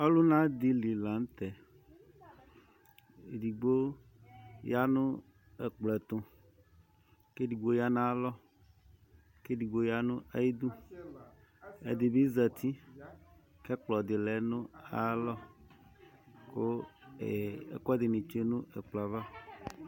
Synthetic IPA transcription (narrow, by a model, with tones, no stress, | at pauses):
a˦lu˦nã˦d̪i˦li˨la˨ŋ˦t̪ɛ˨ | di˨ɡ͡bo˦ | ja˦nũ˦ | e˨k͡plɛ˨t̪õ˨ | ke˦ɖi˨ɡ͡bo˦ja˦nã˦lɔ˦ | ke˦ɖi˨ɡ͡bo˦ja˦nũ˦a˦je˦d̪u˦ | ḛ˨d̪e˨bi˦zɛ˨t̪ʰi˦ | kɛ˦k͡plɔ˨d̪e˨lɛ˨nũ˦a˦lɔ˦ | ko˦e˨ḛ˨kɔ˦d̪e˨nĩ˨t͡ʃe˦nũ˦e˨k͡pla˨va˦